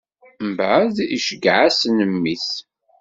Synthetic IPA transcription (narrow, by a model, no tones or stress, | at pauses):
mbʕðiʃəɡʕasnəmːiθ